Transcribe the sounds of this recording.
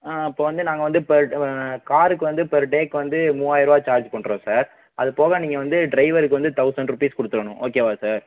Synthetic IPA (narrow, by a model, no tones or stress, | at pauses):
aːɪpːoːʋɐnd̪ɯnaːŋɡɐʋɐnd̪ɯpɛɾkaːɾɯkːɯʋɐnd̪ɯpɛɾʈeːkːɯʋɐnd̪ɯmuːaːjɪɾɐaːt͡ʃaːɾd͡ʒpɐɳːɾõːsaːɾ | ɐðɯpoːɣɐ̃niːŋɡɐʋɐnd̪ɯɖɾɐɪʋɐɾɯk̬ːɯʋɐnd̪ɯt̪ɐʊsɐɳɖɾʊpiːskʊɽɯt̪ːɯɾɐɳʊ̃ʔoːkeːʋaːsaːɾ